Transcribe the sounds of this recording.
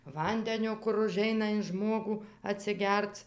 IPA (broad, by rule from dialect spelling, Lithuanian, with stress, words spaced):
ˈʋɐnʲdʲɛnʲoː kʊr ʊˈʒʲɛɪnɐ ɪn ˈʒmoːɡuː ɐtʲsʲɪˈɡʲɛrt͡s